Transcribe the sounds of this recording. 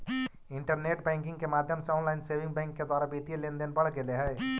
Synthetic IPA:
iɳʈəɾneʈbɛ̃ŋkĩŋɡkemad̪ʱjəmsɔ̃nlajnsebʱiŋɡbɛ̃ŋkːed̪waɾabit̪ielend̪enbəɽ̤ɡeleɦɛj

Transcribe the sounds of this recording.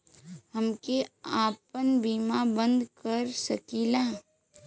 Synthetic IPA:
ɦəmkeaːpənbiːmabə̃nd̪kəɾsəkiːlãː

